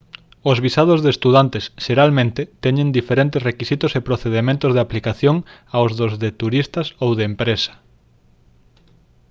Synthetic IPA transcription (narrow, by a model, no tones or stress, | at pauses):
ozβisaðozðest̪uðant̪esʃeɾalmẽnt̪ɪt̪ɛɲẽnd̪ifeɾent̪esrekisit̪ʊsepɾoθeðemẽnt̪ʊzð̞eaplikaθjoŋawzðozðet̪uɾist̪ɐsowðeːmpɾesɐ̥